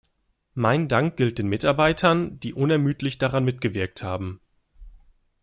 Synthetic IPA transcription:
maɪndaŋk̚ɡ̥ɪlt̚d̥eːnmɪtaɐbaɪtʰɐnd̥iːʔʊnɛɐmyːtlɪçd̥aʁanmɪtɡ̥əvɪɐk̚thaːbm̩

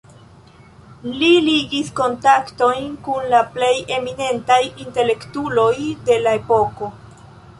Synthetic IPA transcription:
liliɡisko̞ntakto̞jnkunlaple̞je̞mine̞ntajinte̞le̞ktulo̞jde̞lae̞po̞ko̞

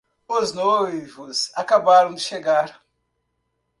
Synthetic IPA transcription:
oznojvʊsakabaɾɐ̃w̃d͡ʒ̪ɪʃeɡaɾ

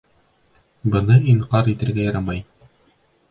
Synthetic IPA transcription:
bɤ̆nɤiɴqɑɾit̪ɘ̆ɾɡæjɑɾɑmɑj

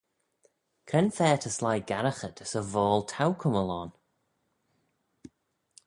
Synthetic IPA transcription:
kʰɾɛnfɛːtʰəslajɡaɾəxətʰəsəvɔːlˠtʰawkʰʊməlɔn

